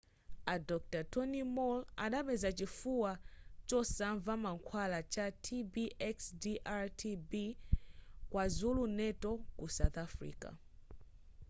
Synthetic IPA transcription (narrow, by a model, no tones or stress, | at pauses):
adɔk̚tatɔnimɔla̰ɗaɓɛzat͡ʃifuwat͡ʃɔsaɱvamaŋkʰwalat͡ʃatʰibiʔɛksdiʔaɾtʰibi | kwazulunɛtɔkusawt̪afɾḭːka̰